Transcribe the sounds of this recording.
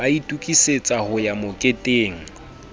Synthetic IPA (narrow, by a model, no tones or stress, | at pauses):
aitʼukʼiset͡sʼahʊjamʊkʼetʼeːŋ̩